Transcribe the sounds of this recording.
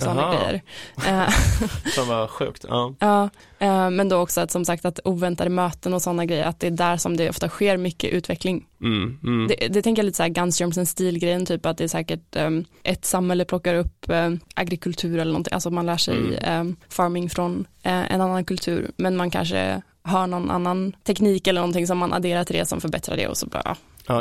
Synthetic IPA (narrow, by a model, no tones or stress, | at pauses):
sɔnːaɡɾɛ̰jːə̰ɾ | svaɧʉ̟̰ːkt̪ɑ̰ːɑː | mɛnd̪oɔksɔat̪sɔmsakt̪at̪uːvɛnt̪ad̪əmøːt̪ənɔsɔnːaɡɾɛjːə̰ɾat̪̚d̪ɛæɖæɾʂɔmd̪ɛʔɔ̰ft̪aɧeːɾmʏkːə̰ʔʉ̟ːt̪ʰvɛklɪŋ | d̪ɛd̪ɛt̪ʰɛŋkəjaliːt̪əsːɾɡansœɾmsɛnst̪iːlɡɾɛjːənt̪ʰyːpat̪̚d̪ɛːʂɛːkəʈ̚ʔɛt̪samhɛlːəpʰlɔkːaɾɵpːʔa̰ɡɾɪkʰɵlt̪ʰʉ̟ːɾɛlːɳɔnɪʔa̰sɔmanlæːʂɛ̰j̰fɑːɾmɪŋfɾɔnɛ̰nanːankʰɵlt̪ʰʉ̟̰ːɾmɛnmankʰa̰nʂə̰ | ɦɑːɳɔnʔa̰nːant̪ʰɛkniːkɛləɳɔnt̪ʰɪŋsɔmːanʔa̰d̪eːɾaʈʰɪld̪ɛ̰sɔ̰mfœɾbɛt̪ɾa̰ɖɛ̰ɔ̰sɔ̰bɾɑ̰ː